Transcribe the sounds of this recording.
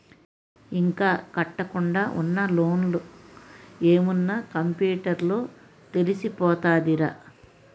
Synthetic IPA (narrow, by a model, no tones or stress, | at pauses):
iŋkaːkɐʈːɐkuɳɖaːʔunːɐlo̞ːnlu | e̞ːmunːakɐmpjuːʈɐɾlo̞ː | t̪e̞lisipɔːt̪aːd̪iɾa